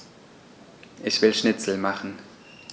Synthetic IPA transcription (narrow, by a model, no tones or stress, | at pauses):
ʔɪçv̥ɪlʃnɪt͡sl̩maχn̩